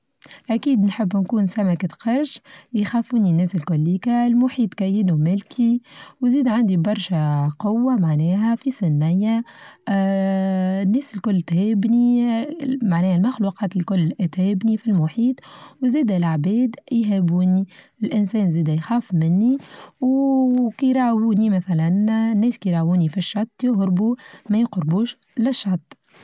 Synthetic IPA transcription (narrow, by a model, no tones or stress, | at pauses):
ʔækiːd̪nħəbːnkuːnsæmækɪt̪qɑɾˤʃjxæːfuːninːɛːsɪlkʊlːiːkalmʊħiːt̪kæjːɪnumɪlkiwziːd̪ʕand̪ibɑɾˤʃæqʊwːamaʕnɛːɦæfisɪnːɪjæ | nːɛːsɪlkʊlːt̪hɛːbni | maʕnɛːhælmaxluːqɑːt̪ɪlkʊlːt̪hɛːbnifilmʊħiːt̪ˤwzɛːd̪ælʕbɛːd̪jɦæbuːni | ɪlʔɪnsɛːnzɛːd̪æjxɑːfmɪnːiwkijɾˤɑːʕwuːnimæθælænnːɛːskiɾˤɑʕwuːnifiʃːɑt̪ˤːjʊɣɾbumæjɪqɾbuːʃ | lɪʃːɑt̪ˤː